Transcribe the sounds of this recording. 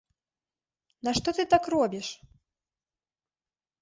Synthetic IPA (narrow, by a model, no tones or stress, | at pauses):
naʂt̪ɔt̪ɨt̪akrɔbʲiʂ